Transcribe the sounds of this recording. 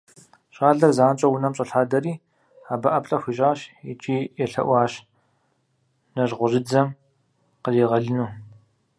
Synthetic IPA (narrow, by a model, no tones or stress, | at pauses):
ɕʼaːɮɐrzaːnt͡ʃʼɐwʊnɐmt͡ʃʼɐɬaːdɐɾiː | aːbɐʔɐpɬʼɐxʷiɕʼaːɕɛt͡ʃʼiːjɛɬɐ̰ʔʷɑːɕ | nɐʒʁʷʊʑɪd͡zɐm | qəziːʁɐɮɨnuː